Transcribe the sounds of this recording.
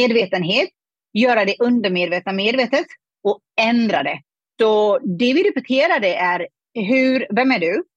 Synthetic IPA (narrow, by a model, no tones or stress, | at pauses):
eːd̪veːt̪ənɦeːt̪ | jœːɾad̪ɛʔɵnd̪əɾmeːd̪veːt̪nameːd̪veːt̪ət̪ | ɔ | ɛnd̪ɾa̰d̪ɛ | sɔd̪ɛvɪɾɛpɛt̪ʰeːɾad̪əʔæɾ | ɦʉɾvɛmæɖɵ